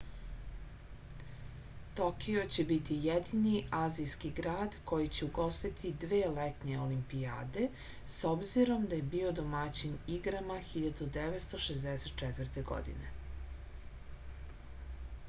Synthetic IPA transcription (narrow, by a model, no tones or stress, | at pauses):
t̪okio̞t͡ɕebit̪ijed̪iniʔaːzijskiɡɾaːd̪ko̞jit͡ɕeuɡo̞st̪it̪ʰid̪ʋeːlet̪ɲeolimpija̰ːd̪e̞ | sobziɾo̞md̪ajebiːo̞d̪o̞mat͡ɕiniɡɾamaxiʎad̪ud̪eʋet̪st̪o̞ʃezd̪eset̪̚t͡ʃɛt̪vrt̪eɡo̞̰d̪ḭnḛ